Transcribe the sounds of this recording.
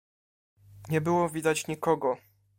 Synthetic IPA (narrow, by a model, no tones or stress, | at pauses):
ɲɛbɘwɔvʲid̪at͡ɕɲikɔɡɔ